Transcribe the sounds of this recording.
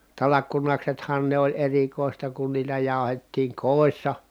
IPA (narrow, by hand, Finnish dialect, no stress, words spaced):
tɑlɑkːunɑksethɑn ne olʲ erikoˑistɑ kun niːtæ jɑˑu̞hetːiːŋ koˑisːɑ